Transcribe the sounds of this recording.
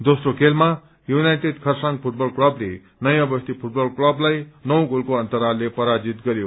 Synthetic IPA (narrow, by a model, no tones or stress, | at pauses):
d̪osrokʰelma | junajʈeɖkʰʌrsaŋɡpʰuʈ̚bʌlklʌble | nʌjãbʌst̪ipʰuʈ̚bʌlklʌblajnʌw̃kɡolkoʌnt̪ʌɾalepʌɾad͡zit̪ɡʌɾjo